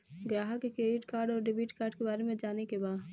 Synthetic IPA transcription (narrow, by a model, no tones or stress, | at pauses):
ɡɾaːɦəkekeːɪʈkaːɾɖɔːɾɖɪbiːʈkaːɾɖkebaːɾemẽd͡ʒaːnekebaːd